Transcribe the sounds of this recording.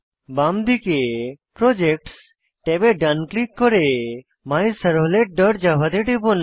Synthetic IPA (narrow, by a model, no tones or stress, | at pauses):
bamd̪ikepɾod͡ʒek̚ʈs | ʈebeɖanklikːoɾe | majsəɾɦoleʈ̚ɖəʈd͡ʒabad̪eʈepon